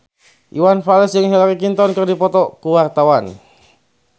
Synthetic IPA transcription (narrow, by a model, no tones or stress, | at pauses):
ʔiwanfalɛsjəŋɦilakikint̪ɔnkɨrdipɔt̪ɔkuwart̪awan